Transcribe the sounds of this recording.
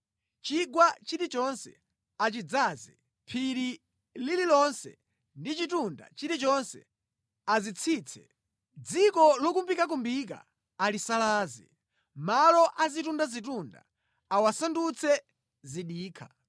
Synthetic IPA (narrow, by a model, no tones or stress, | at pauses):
t͡ʃiɡwat͡ʃiɾit͡ʃɔnsɛ̰ | at͡ʃid͡zaːzɛ | pʰiɾi | lililɔnsɛ̰ | ndit͡ʃitunda̰t͡ʃiɾit͡ʃɔnsɛ̰ | azit͡sʰiːt͡sʰɛ | d͡zikɔlɔkumpikak̬umbik̬a̰ː | lisalaːzḭ | malɔʔazitundazitunda̰ː | wasandut͡sʰɛ | ziɗiːkʰa